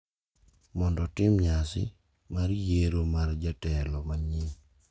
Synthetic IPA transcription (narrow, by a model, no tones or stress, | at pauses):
mɔndɔtɪmɲasɪ̰ | maɾjeɾomard͡ʒatɛlɔmaɲɪ